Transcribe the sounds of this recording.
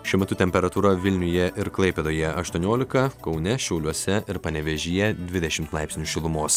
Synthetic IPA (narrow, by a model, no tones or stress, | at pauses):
ʃʲuɛmʲɛt̪ʊt̪ʲɛmʲpʲɛɾɐt̪uːɾɐʋʲɪlʲnʲʊjɛʔɪɾklˠɐɪpʲɛd̪oːjɛɐʃt̪uɔnʲoːlʲɪkɐkɒʊnʲɛʃʲɛʊlʲuɔsʲɛɪɾpɐnʲɛʋʲɛʒʲijɛd̪ʲʋʲɪd̪ʲɛʃʲɪmt̪lˠɑɪpʲsʲnʲʊʃʲɪlˠʊmoːs